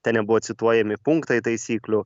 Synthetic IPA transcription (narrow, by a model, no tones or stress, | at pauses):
t̪ʲɛnʲɛbuʋot̪sʲɪt̪uɔːjɛmʲɪpuŋkt̪ɐjt̪ɐjsʲiːklʲʊ